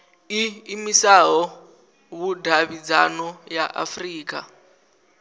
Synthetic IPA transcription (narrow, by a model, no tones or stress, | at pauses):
iːmisaɦɔ | βudʱaβid͡zanɔjaʔa̰friːk̬ʼa̰